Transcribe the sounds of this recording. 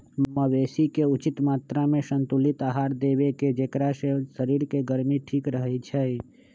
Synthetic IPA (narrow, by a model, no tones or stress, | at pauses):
məbesikeut͡ʃɪt̪maːt̪ɾamesənt̪ulit̪aɦaɾd̪ebeked͡ʒekɾasesəɾiɾkeɡəɾmiʈʰikɾəɦɛt͡ʃʰɛj